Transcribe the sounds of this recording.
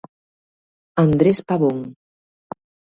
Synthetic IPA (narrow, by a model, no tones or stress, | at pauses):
and̪ɾespaβoŋ